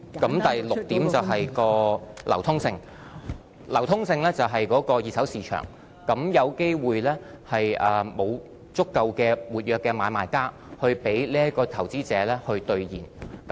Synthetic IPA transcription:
kɐ˨˥mt̪ɐ˨jlʊ˨k̚t̪iː˨˥mt͡sɐ˨wɦɐ˨jkɔː˧lɐ˨˩wt̪ʰʊ˥ŋsɪ˧ŋ | lɐ˨˩wt̪ʰʊ˥ŋsɪ˧ŋlɛː˥t͡sɐ˨wɦɐ˨jkɔː˨˥kɔː˧jiː˨t̚sɐ˨˥wsiː˨˧t͡ʃʰœ̰ː˨˩ŋ | kɐ˨˥mjɐ˨˧wke˥jwuː˨jlɛː˥hɐ˨jʔɐː˨˩mo˨˧w | t͡sʊ˥kːɐ˧wkɛː˧wuː˨˩t̚jœː˨˧kːɛː˧maː˨˧jmaː˨˧jkaː˥ | hɵ˧ɥpe˨˥jliː˥ɐ˥kɔː˧t̪ʰɐ˨˩wt͡siː˨˥t͡sɛː˨˧˥lɛː˥hɵ˧ɥt̪ɵ˧ɥjiː˨˩nk

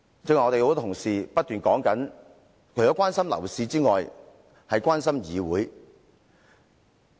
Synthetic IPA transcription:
t͡sɪ˥ŋɔː˨ŋɔ˧te˨jho˨˧˥t̪ʰʊ˨˩ŋsiː˨pɐ˥t̚t̪yː˨nkɔː˨˥ŋkɐ˨˥n | kʰɵ˨˩jɔː˨˧˦kʷwaː˥nsɐ˥mlɐ̰˨˩wsiː˧t͡siː˥ŋɔː˨j | hɐ˨jkwaː˥nsɐ˥mjiː˨˧wuː˨˥j

